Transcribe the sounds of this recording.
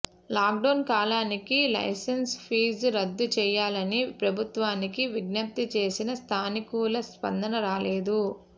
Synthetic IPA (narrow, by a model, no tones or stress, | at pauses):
laːk̚ɖɐwnkaːlaːnikilɐ̰jsɐnspʰiːzɾɐd̪ːut͡ʃɛːjaːlɐnipɾɐbʱut̪ʋaːnikiʋiɡnɐp̚t̪it͡ʃe̞ːsinɐst̪ʰaːnikuːlɐspɐ̰nd̪ʱɐnɐɾaːleːd̪u